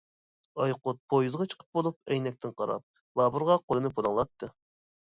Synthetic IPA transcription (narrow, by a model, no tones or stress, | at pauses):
ɑjqʊt̪̚pʰojuzʁɑt͡ʃʰə̥qʰə̥p̚bolˠup̚ɛjnɛk̚ʲt̪ʰɪnqʰɑɾɑ̰p̚ | bɑbuɾʁɑqʰolˠɨnɨpʰod̪ˠɑŋlˠɑt̪ʰːɨ